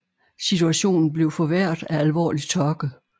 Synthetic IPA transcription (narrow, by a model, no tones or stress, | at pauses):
sit͡sʰuæɕo̝̰ːnn̩b̥le̝ʊfɒ̽ʋæɐ̰d̥ˠæælʋɒ̰ːli̥t͡sʰɒɡ̥ə